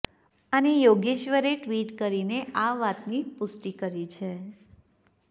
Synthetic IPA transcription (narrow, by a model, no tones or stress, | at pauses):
anejoɡeʃʋəɾeʈʋiʈkəɾineaʋat̪nipʊsʈikəɾit͡ʃʰe